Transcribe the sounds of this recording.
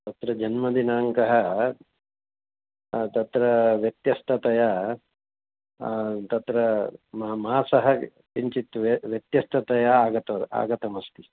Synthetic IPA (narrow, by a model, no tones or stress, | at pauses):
t̪ɐt̪ɾɐd͡ʒɐnmɐd̪inaːŋkɐɦɐ | t̪ɐt̪ɾɐʋjɐt̪jɐst̪ʰɐt̪ɐjɐ | t̪ɐt̪ɾɐmɐɐmaːsɐɦɐ | kiɲt͡ʃit̪ːuʋjɐt̪jɐst̪ʰɐt̪ɐjɐaːɡɐt̪ɐa̰ːɡɐt̪ɐmɐst̪i̥